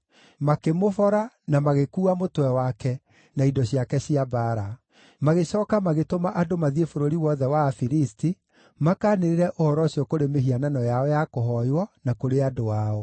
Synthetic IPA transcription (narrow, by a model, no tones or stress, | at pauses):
makemofɔɾa | namaɣekuːamotwɛwakɛ | naidɔɕiakɛɕiabaːɾa | maɣeɕɔːkamaɣetomaʔadomaðiefoɾoɾiwɔðɛwaːfiɾisti | makaːneɾeɾɛʔohɔɾɔɕiɔkoɾemeɦiananɔjaɔjakoɦɔjwɔnakoɾeadoaɔ